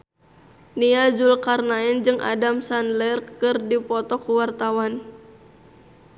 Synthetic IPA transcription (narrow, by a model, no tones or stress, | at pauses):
niazulkarnaɛnd͡ʒɨŋʔa̰damsanlɛrkɨrdipɔt̪ɔkuwart̪awan